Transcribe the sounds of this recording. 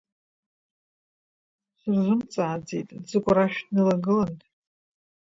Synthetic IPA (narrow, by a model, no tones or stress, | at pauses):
sɨrzʷʊmt͡sʼaːd͡zḛjtʼd͡zɨkʷʼaɾaʃᶣtʰnɨlaɡɨlantʼ